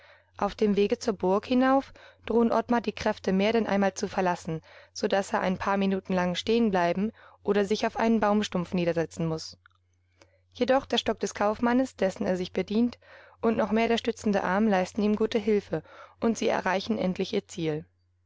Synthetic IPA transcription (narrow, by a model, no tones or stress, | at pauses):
ʔaʊfd̥eːmveːɡət͡suːɐbʊɐkhɪnaʊfd̥ʁoːnʔɔtmadiːkʁ̥ɛftəmeːɐɾɛnʔa̰ɪnmaːlt͡sufɛɐlasn̩z̥odaseːɐʔa̰ɪnpʰaːɐminuːtn̩laŋʃteːənblaɪbm̩ʔoːɾɐzɪçaʊfʔa̰ɪnənbaʊmʃtʊmfniːdɐzɛt͡sn̩mʊs | jedɔχd̥eːɐʃtɔk̚d̥ɛskʰaʊfmanəsd̥ɛsn̩ḛːɐzɪçb̥ədiːntʔʊntnɔχmeːɐɾeːɐʃtʏt͡sn̩dəʔaɐmlaɪstn̩iːmɡuːtəɦɪlfəʔʊntz̥iːɛ̰ɐʁaɪçn̩ʔɛ̰ntʰlɪçʔiːɐt͡siːl